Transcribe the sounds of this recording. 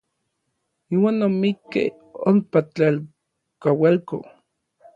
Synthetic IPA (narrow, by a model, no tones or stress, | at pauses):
iːwaːnːomikːḛ | o̰mpat͡ɬel | kawalko̰